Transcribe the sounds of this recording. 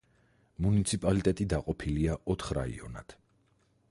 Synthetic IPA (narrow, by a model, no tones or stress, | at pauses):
munit̪sʰipʼalit̪ʼɛt̪ʼid̪aqʼɔpʰiliaʔɔt̪ʰχɾa̰ḭɔ̰na̰t̪ʰ